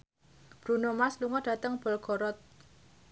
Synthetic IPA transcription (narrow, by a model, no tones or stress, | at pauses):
b̥ɾunomasluŋɔɖ̥ä̤t̪əŋb̥ə̤lɡɔɾɔt̪̚